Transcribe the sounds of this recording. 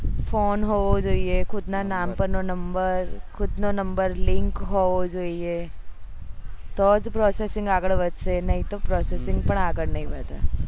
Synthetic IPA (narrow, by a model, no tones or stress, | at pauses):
fʰoːnɦoːʋod͡ʒoːiekʰʊd̪naːnaːmpɐɳnonɐmbəɾkʰʊd̪noːnɐmbəɾlɪ̃ŋkɦoːʋod͡ʒoːie | t̪oːd͡ʒpɾoːseːsɪ̃ŋɡaːɡəɽʋɐd͡ʒsenɐĩt̪opɾoːseːsɪ̃ŋɡ̚pɐɳaːɡəɽnɐĩbɐːt̪a̰ː